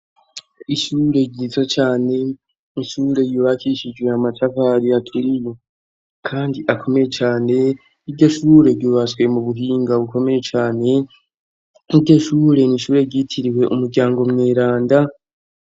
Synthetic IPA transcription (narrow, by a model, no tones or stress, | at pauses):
iʃuːɾe̞ɾɟizot͡ʃaːne̞ | iʃuːɾe̞juβakiʃid͡ʒwe̞amatakaɾiatʰuɾimo̞ | kʰaːndiʔakʰo̞me̞je̞t͡ʃaːne̞ | iɾɟo̞ʃuːɾe̞ɾɟuːβaswe̞muβuɦiːŋɡaβuko̞me̞je̞t͡ʃaːne̞ | iɾɟo̞ʃuːɾe̞niʃuːɾe̞ɾɟitʰiɾiwe̞ʔumuɾɟaːŋɡo̞mŋeːɾaːnda